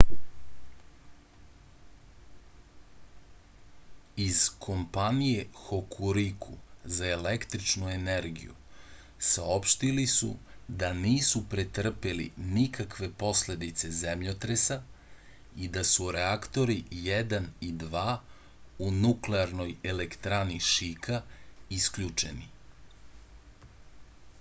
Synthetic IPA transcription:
iz̥kʰo̞mpanije̞xo̞kʰuɾikʰuzaele̞kt̪ɾit͡ʃnue̞ne̞ɾɡḭjṵ | sao̞pʃt̪ilisṵd̪aniːsupɾet̪r̩pelḭnikakʋe̞po̞sle̞d̪it̪se̞zemʎot̪ɾesa | id̪asuɾeakt̪o̞ɾijed̪anid̪ʋaː | unukleaɾno̞je̞le̞kt̪ɾaniʃikʰaiskʎut͡ʃe̞̰nḭ

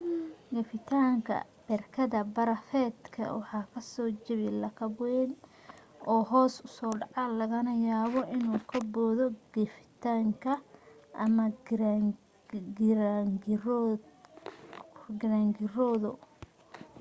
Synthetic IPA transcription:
ɡɐfɪt̪ʰaːŋkʰɐ̰bɛrkʰɐðɐbɐɾɐfɛːd̪kʰɐ̰wɑħɑːkʰɐsɔːt͡ʃɐβilɐkʰɐbwɛn | ɔːɦɔːsʊsɔːɖɑʕɑlɐɣɐnɐjaːβɔʔɪnuːkʰɐbɔːðɔɡfɪ̥t̪ʰaːŋkʰɐʔɐmɐ | ɾaŋ | ɡɐɾaːŋɡɪrɔːðʊ

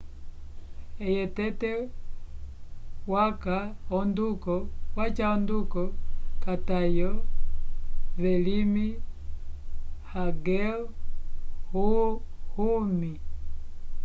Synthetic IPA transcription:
ɛjɛtɛtɛ | wakaɔndukɔwat͡ʃaɔndukɔkatajɔ | vɛlimi | haɡɛ | huhumi

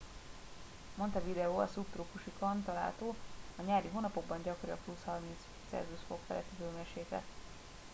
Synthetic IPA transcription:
mo̞nt̪ɒvid̪ɛoːɒ̰supt̪rukuʃikont̪ɒla̰ːlt̪oːɒɲaːɾiɦoːnɒpo̞ɡ̚bɒɲɟɒkoɾiɒ̰plushɒrmint̪s | t̪sɛ̰rzuʃfo̞kfɛ̰lɛt̪id̪øːmɛʃeːkɛ̰t̪

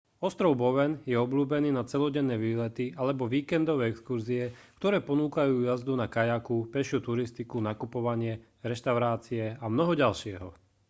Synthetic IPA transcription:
ɔst̪ɾɔʊbɔʋɛnjɛɔbluːbɛniːnat͡sɛlɔɟɛnːɛːʋiːlɛt̪ialɛbɔʋiːkɛnd̪ɔʋɛːɛkskuɾziɛkt̪ɔɾɛːpɔnuːkajuːjazd̪unakajakupɛʃɪuːt̪uɾist̪ikunakupɔʋaɲɪɛ | ɾɛʃt̪aʊɾaːt͡siɛamnɔɦɔɟalʃɪɛɦɔ

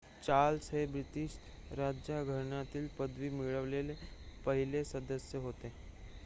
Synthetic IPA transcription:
t͡ʃaːlsəebɾɪt̪iʃ | ɾaːd͡ʒjaɡʱəɾnãt̪ɪlpəd̪ʋimɪɭəʋlelepəɦɪlesəd̪əsjəɦoːt̪eɦ

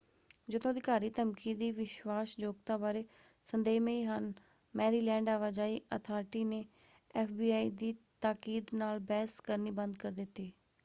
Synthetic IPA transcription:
d͡ʒɪd̪õːd̪ɪkaːɾiːt̪əmkiːd̪iːʋɪʃwaːsd͡ʒoːɡ̚t̪aːbaːɾeː | sənd̪eːmeiːɦən | mɛːɾiːlɛ̃ːɳɖaːʋaːd͡ʒaːiːʔə̰t̪ʰaːɾʈiːneː | ɛːfʰbiːaːḭːd̪iːt̪aːkiːd̪naːlbɛːɦskəɾniːbənd̪kəɾd̪ɪt̪ːiː

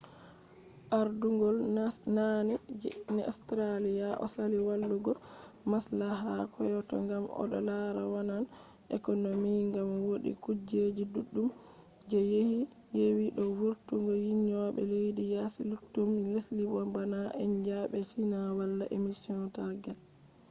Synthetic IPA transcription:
ʔaɾduŋɡɔlnanɛnɛɔ̰stɾalijaʔɔ̰saliwalːuɡɔ | maslaɦakʰɔjɔtɔ̰ŋɡamɔ̰ɗɔ̰laɾawanan | ʔɛ̰kɔnomiŋɡamwoɗḭkud͡ʒed͡ʒiduɗːum | d͡ʒɛjehi | jewiɗɔwuɾtuŋɡɔjiɲːɔɓɛ̰lejdijasilutːumlesliwɔbanaʔɛɲd͡ʒaɓɛt͡ʃinawalːaʔemisiɔntaɡal

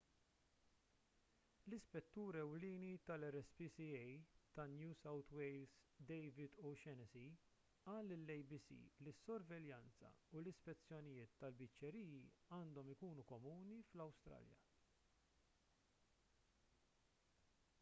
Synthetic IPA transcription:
lɪspɛt̪ːuːɾɛwliːnit̪ɐlɛɾɛspisiɛjt̪ɐnjuːsɐwt̪wɛjlsd̪ɛjvɪd̪uʃɛnɛsi | ɐːlːɪlːɛjbisḭːlɪsːɔɾvɛljɐnt͡sɐ̰ulɪspɛt͡sːjɔnɪjɪːt̪ːɐlbɪt͡ʃːɛɾiːjiɐːnd̪ɔmɪkuːnukɔmuːniflɐwst̪ɾɐ̰ːljɐ̰

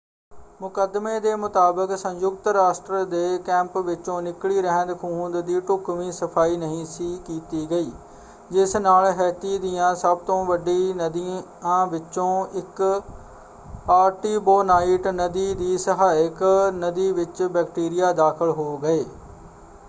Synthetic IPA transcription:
mʊkəd̪meːd̪eːmʊt̪aːbəksə̃ɲjʊk̚t̪ɾaːsʈɾəd̪eːkɛ̃ːmpʋɪt͡ʃõːnɪkliːɾəɦə̃nd̪kʰuːnd̪d̪iːʈʊkʋĩːsəpʰaːiːnəɦĩːsiːkiːt̪iːɡəiː | d͡ʒɪsnaːlɦɛːt̪iːd̪ɪjãːsəb̚t̪õːʋəɖiːnd̪i | ãːʋɪt͡ʃõːɪk | paːɾʈiːboːnaːɪʈnəd̪iːd̪iːsəɦaːɪknəd̪iːʋɪt͡ʃbɛːkʈiːɾɪjaːd̪aːkʰəlɦoːɡəeː

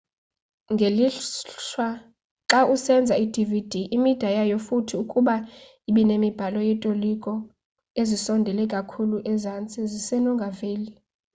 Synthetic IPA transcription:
ŋɡʱeliɬwa | ǁaʔusɛnd͡zʱaid̥ʱivid̥ʱiʔimid̥ʱajajofutʰiukʼuɓa | iɓɛnemib̥ʱalɔjɛtʼolikʼɔ | ezisɔndʱɛlɛkʼakʰuluʔɛzant͡sʼizisɛnɔŋɡʱaveːli

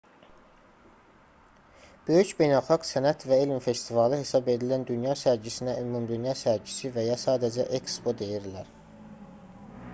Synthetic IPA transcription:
b̥ø̞jycbe̞jnælˠxɑɡsænæt̪ʰvæelmfe̞st̪ivɑlˠɯhe̞sɑbe̞d̪ilænd̪ynjɑsæɾd͡ʒisinæʔymumd̪ynjɑsæɾd͡ʒisivæjɑsɑːd̪æd͡ʒæʔekspod̪e̞jiɾlæɾ

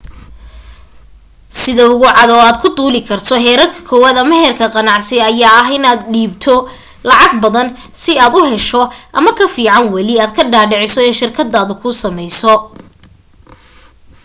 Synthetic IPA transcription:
sɪðɐʊɣʊʕɑd̪ɔːaːd̪kʰʊd̪uːlɪkʰɐrt̪ʰɔɦɛːɾɐrkʰɐ̥kʰɔwaːd̪ɐmɛɦɛrkʰɐqɑnɑʕsɛɐjaːɐɦɪnaːd̪ɖiːbt̪ʰɔ | lɑʕɑɡbɐðɐn | sɪaːd̪ʊɦɛʃɔʔɐmɐkʰɐfiːʕɑnwɐlɪaːd̪kʰɐɖaːɖɛʕɪsɔɪnʃɪrkʰɐd̪ːaːðʊkʰʊsɐmɛjsɔ

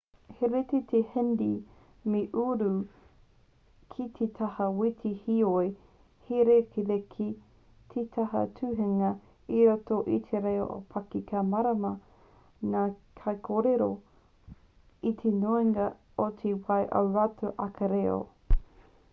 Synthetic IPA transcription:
heɾet̪et̪ʰehendi | meʔuɾu | kʰit̪ʰet̪ʰɐhɐwitʰihioe | heɾekʰiðekʰi | tʰet̪ʰɐɦɐ̰tʰʉɦeŋɐ | iɾotoʔit̪ʰeɾejo̰ʔo̰pʰɐkikʰamɐɾɐmɐ | nakʰɐjkʰoɾeɾo | it̪ʰenoiŋɐ | otʰewɐjʔɐɾatʰuʔɐkɐɾeo̰

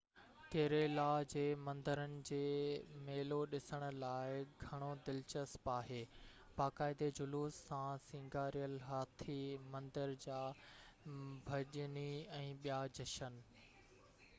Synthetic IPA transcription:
k̪eːɾelaːd͡ʑeːmɐ̃nd̪əɾənɪ̆d͡ʑeːmeːloɗɪsəɽ̃ʊ̆laːɪɡʱɐɽ̃od̪ɪlt͡ɕəspaːɦeː | baːkaːɪd̪ed͡ʑʊluːsːãsɪ̃ŋɡaːɾijəlɦaːt̪ʰimɐ̃nd̪əɾd͡ʑaː | bʱɐʄniɛ̃ːɓijad͡ʑɐʃən

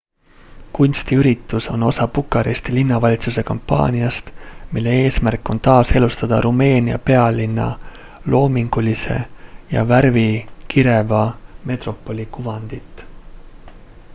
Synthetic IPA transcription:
kunʲst̪iyɾit̪ːˑuso̞no̞sɑpukːˑɑɾest̪ilinːɑvɑlʲit̪suse̞kɑmpːɑ̰ːnʲiɑst̪milːe̞e̞ːsmærkːˑo̞nt̪ɑːse̞lust̪ɑd̪̥ɑɾʔume̞ːniɑ̰pe̞ɑlinːɑ̰ | lo̞ːmiŋɡ̥ulise̞̰jɑ̰værvikiɾe̞vɑme̞t̪ro̞pːˑo̞lʲikuvɑnd̪̥it̪ːˑ

